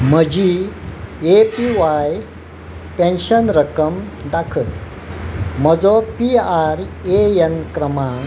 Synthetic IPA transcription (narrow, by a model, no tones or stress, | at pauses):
m̤əd͡ʑi | epiʋaj | pẽnɕənɾəkəmd̪akʰəl | m̤əd͡zɔpiaɾeenkɾəmãŋ